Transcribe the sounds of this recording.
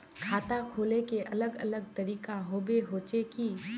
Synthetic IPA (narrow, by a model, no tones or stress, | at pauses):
kʰaːt̪akʰoːlekeʔɐləɡə̰ləɡ̚t̪ɐɾiːkaɦoːbeɦoːt͡ʃeki